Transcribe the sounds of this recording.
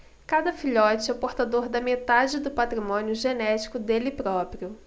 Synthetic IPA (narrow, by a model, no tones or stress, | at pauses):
kad̪ɐfiʎɔt͡ʃɪɛpoɾt̪ad̪oɾd̪ɐmet̪ad͡ʒɪd̪ʊpat̪ɾimõniʊʒenɛt͡ʃi̥kʊd̪elɪpɾɔpɾiʊ